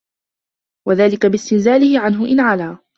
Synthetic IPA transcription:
waðaːlɪkabɪst̪ɪnzaːlɪhɪʕanɦʊʔɪnʕalaː

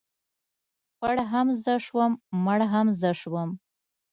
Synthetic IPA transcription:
pəɽɦamzəʂwəmməɽɦamzəʂwəm

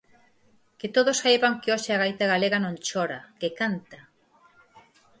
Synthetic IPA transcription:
ket̪oðosajβaŋkeoʃeaɣajt̪aɣaleɣanõnt͡ʃoɾakekant̪a

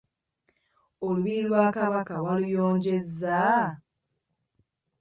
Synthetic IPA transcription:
oluβilwaːkaβakawalujoːɲɟe̞za

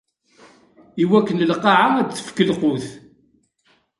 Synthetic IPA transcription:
iwækːənəlqːɑʕad̪θːə̥fkəlqʊθ

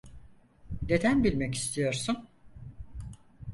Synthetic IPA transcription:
d̪e̞d̪ænbilʲmɛci̥st̪ʰijo̞ɾsun

